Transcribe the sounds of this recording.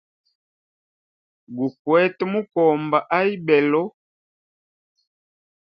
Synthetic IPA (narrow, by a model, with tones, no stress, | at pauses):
ɡu˨kwɛ˦tmu˦kɔ˨mba˨ʔa˦i˦bɛ˨lɔ˦